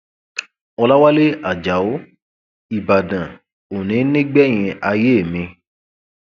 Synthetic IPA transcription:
ɔ˧la˦wa˦le˦a˨d͡ʒa˨o˨˦ | i˨ba˨dã˨ | o˨nĩ˨˦nĩ˦ɡ͡bɛ˦˨j̃ĩ˧a˧je˦e˦˨mĩ˧

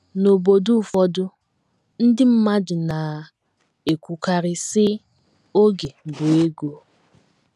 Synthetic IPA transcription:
no˨bo˨du˦˨fɔ˦dʊ˦ | n̩˦dɪ˦m̩˦ma˦d͡ʒʊ˨na˨ | e˨kʷu˨ka˨ɾɪ˦sɪ˦ | o˦ɡe˨bʊ˨e˦ɡo˨

